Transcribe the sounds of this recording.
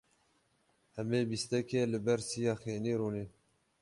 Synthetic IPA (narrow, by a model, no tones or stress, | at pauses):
hɛmeːbist̪ɛkeːlɨbɛɾsijɑːxeːniːɾuːneː